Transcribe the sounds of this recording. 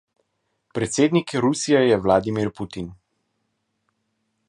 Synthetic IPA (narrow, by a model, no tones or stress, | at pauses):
pɾɛt̪seːd̪nikɾusijɛjɛʋlaːd̪imiɾpuːt̪in